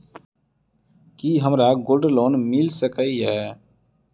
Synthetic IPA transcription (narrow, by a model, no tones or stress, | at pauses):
kiːɦəmɾaɡoːlɖloːnmɪlsəkəiɦɛː